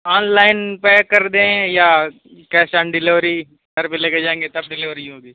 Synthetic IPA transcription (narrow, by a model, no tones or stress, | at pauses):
aːnlaːɪnpekɐɾd̪eɦja | kɛːʃaːnɖɪlɪʋɾi | ɡɐɾpeleːked͡ʒaːẽːŋɡet̪ɐb̚ɖɪlɪʋɾiɦoːɡiː